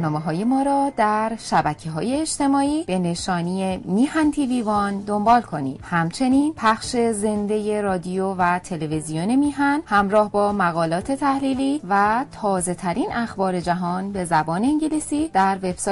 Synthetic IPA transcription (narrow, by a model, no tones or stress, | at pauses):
nɒːmeɦɒːjemɒːɾɒːd̪æɾʃæbæcʰeɦɒ̰ːjeːʃt̪e̞mɒːiːb̥e̞ne̞ʃɒːniemiːhænt̪ʰiviːvɒːnd̪o̞mbɒːlkʰo̞nḭːd̪̥hæmt͡ʃʰe̞niːnpʰæxʃe̞ze̞nd̪e̞je̞ɾɒːd̪iovæt̪ʰe̞levizijonemiːɦænhæmɾɒːhbɒːmæɣɒːlɒːt̪ʰe̞t̪ʰæhliːliːvæt̪ʰɒːze̞t̪ʰæɾiːnʔæxbɒːɾe̞d͡ʒæɦɒːnbe̞zæbɒːne̞iɲɟelisiːd̪̥æɾveb̥s